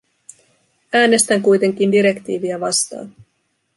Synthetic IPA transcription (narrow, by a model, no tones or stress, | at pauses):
æːne̞st̪æŋkujt̪e̞ŋk̟indiɾe̞kt̪iːʋiæʋɑst̪ɑ̰ːn